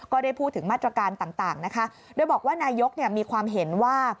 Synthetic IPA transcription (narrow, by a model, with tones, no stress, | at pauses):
kɔː˥˩daː˥˩jpʰuː˥˩t̪ʰːɯ˩˦ŋmaː˥˩t̪ːɾa˧kaː˧nt̪aː˨˩ŋt̪aː˨˩ŋna˦˥kʰa˦˥ | doː˧jbɔː˨˩k̚waː˥˩naː˧jo˦˥k̚ni˥˩ɐmiː˧kʰwaː˧mɦe˩˦nwaː˥˩